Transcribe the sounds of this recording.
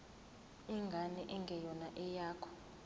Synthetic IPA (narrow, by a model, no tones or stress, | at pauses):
ɛŋɡʱanɛʔɛŋɡʱɛjɔnaʔɛjaːkʰɔ̥